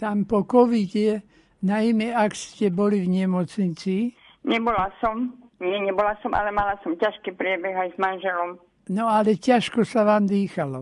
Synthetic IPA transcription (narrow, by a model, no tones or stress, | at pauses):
t̪ampɔkɔʋiɟɛ | najmɛakscɛbɔliʋɲɛmɔt͡sɲit͡si | ɲɛbɔlasɔmɲɪɛɲɛbɔlasɔmʔa̰lɛmalasɔmcaʃkiːpɾɪɛbɛɣajzmanʒɛlɔm | nɔalɛcaʃkɔsaʋaːmd̪iːxalɔ